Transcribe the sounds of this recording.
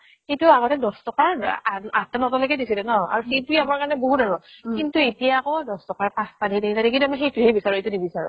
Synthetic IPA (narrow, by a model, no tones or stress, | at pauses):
xejtuaɡɔtɛdɔstɔkaɹaatɛnɔtɔlojkɛdisilɛnɔa̰ɹuxetuiamaɹkaɹnɛboɦutdaɹɔkintuetijaːkɔdɔstɔkaɹpãspadʱideitadɛkintuamɔxejtuɦejbisaɹuejtunibisaɹṵ